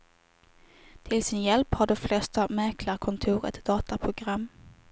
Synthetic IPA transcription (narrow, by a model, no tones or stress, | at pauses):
t̪ʰɪlsɪnjɛlphaɖɔmflɛst̪amɛɾklaɾkʰɔnt̪ʰuːɾɛ̰t̪d̪ɑːt̪apʰɾʊɡɾamː